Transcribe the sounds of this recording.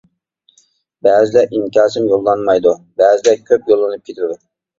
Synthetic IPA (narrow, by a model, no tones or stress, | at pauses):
bɛːzɪlɛʔimkʲɑːsɨmjolˠːɑnmɑjd̪ubɛːzɪlɛkʲʰøpjolˠːɨnɨp̚kʰʲet̪ʰɪɾɪd̪ʊ